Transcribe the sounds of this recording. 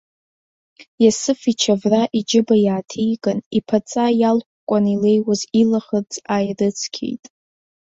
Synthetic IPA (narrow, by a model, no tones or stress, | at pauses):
jasɨfit͡ʃʰavraʔid͡ʒɪbajaːtʰijkʼanipʰat͡sʼajalkʷʰʼkʷʼanile̞jwazilaχərt͡sʼajrɨt͡sʰkʲʰḛjtʼ